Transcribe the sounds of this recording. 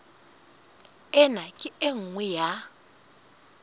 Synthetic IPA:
ɛnakʼɪeŋ̩ŋwɛja

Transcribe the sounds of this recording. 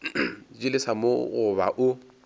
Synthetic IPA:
d͡ʒɪlɪsamoɣʊβa̰ʔʊ

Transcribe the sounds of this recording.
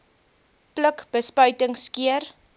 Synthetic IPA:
pləkb̥əspœɥtəŋskiər

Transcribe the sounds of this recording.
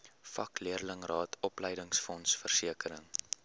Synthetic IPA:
fɐkliərləŋrɑːtʰɔpləjdəŋsfɔnsfərsiəkəɾəŋ

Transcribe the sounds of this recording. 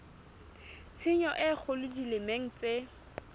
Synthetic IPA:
t͡sʰɪɲɔʔɪk͡xʰʊlʊdilɪmeŋ̩t͡se

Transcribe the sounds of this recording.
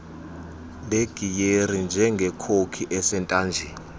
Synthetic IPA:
leɡ̥ʱijerind͡ʒʱɛŋɡʱɛkʰokʰiʔɛsɛntʼaːnd͡ʒʱɛ

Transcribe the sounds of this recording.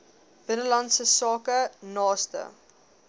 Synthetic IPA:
b̥ənəlɐntsəsɑːkənɑːstə̰

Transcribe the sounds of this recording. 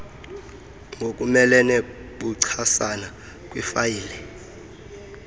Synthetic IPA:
ŋɡʱok̬ʼumɛlɛneɓuǀʰasana | kʼwifajiːlɛ

